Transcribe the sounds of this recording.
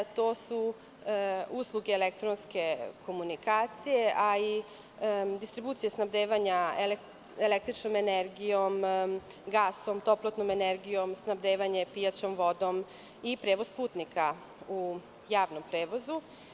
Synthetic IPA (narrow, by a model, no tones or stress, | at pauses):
t̪oːsu | uslˠuɡeːlekt̪ɾonske̞kʰo̞munikaːt̪sije̞ʔai | d̪ist̪ɾibuːt̪sijesnabd̪eːʋaɲael | elek̚t̪ɾit͡ʃnomeneɾɡijo̞m | ɡaːsomt̪o̞plˠot̪nomeneɾɡijo̞msnabd̪eːʋaɲe̞pijat͡ʃomʋo̞d̪om | ipɾeːʋo̞spuːt̪nikʰa | u | jaːʋno̞mpɾeːʋo̞zu